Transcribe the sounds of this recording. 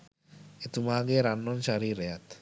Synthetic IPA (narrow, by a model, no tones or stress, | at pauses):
et̪umaɡeɾanːɔnʃaɾiɾejat̪